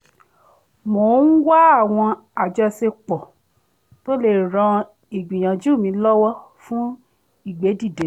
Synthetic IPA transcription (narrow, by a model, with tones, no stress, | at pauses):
mo˨˦n̩˦wa˦a˦˨w̃ɔ̃˧ | a˨d͡ʒɔ˧se˧k͡pɔ˨ | to˦le˨ɾ̃ã˧ | i˨ɡ͡bĩ˨j̃ã˨d͡ʒu˦˨mĩ˧lɔ˦wɔ˦fũ˦ | i˦˨ɡ͡be˨˦di˦˨de˨˦